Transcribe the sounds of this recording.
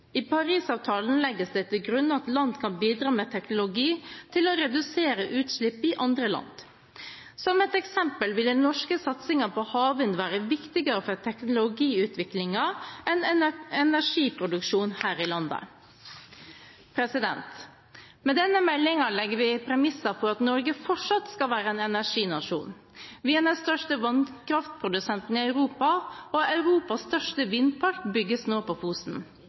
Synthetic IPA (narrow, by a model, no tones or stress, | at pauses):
iːpʰɑɾiːsɑːʋt̪ʰɑːln̩lɛɡːəsd̪ɛt̪ɪlɡɾʉnːɑt̪lɑnd̪kʰɑnbiːd̪ɾɑːmeːt̪ʰɛknʊlʊɡiːt̪ʰɪlɔɾɛd̪ʉseːɾəʔʉːt̪ʃɭɪpːɪʔɑnd̪ɾəlɑ̰nd̪̥ | sɔmɛt̪ɛksɛmpəlʋɪld̪ɛnɔʂkəsɑt̪sɪŋɑpʰɔhɑːʋənʋæːɾəʋɪkt̪ɪɡəɾəfɔɾt̪ʰɛknʊlʊɡiːʉːt̪ʰʋɪklɪŋɑɛnɛɛnæʂiːpʰɾʊd̪ʉkʃuːnhæːɾɪlɑnd̪ɑ̰ | pʰɾɛsɪd̪ɛ̰nt̪ | mɛd̪ɛnːəmɛlːɪŋɑlɛɡːəʋɪpʰɾɛmɪsəfɔɾɑt̪nɔɾɡəfɔʂɑt̪skɑlʋæːɾəɛnɛnæʂiːnɑʂuːn | ʋɪːɛnɛnst̪œʂʈəʋɑnkɾɑft̪̚pʰɾʊd̪ʉsɛnt̪n̩ɪɑʉɾuːpɑɔɑʉɾuːpɑst̪œʂʈəʋɪnpʰɑɾkbʏɡəsnoːpɔfuːsn̩